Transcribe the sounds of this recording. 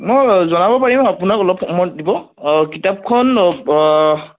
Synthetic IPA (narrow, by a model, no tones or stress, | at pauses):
mɔjzɔnabɔpaɹimapunakɔlɔp̚ʰɔmɔdibɔ | kitap̚kʰɔn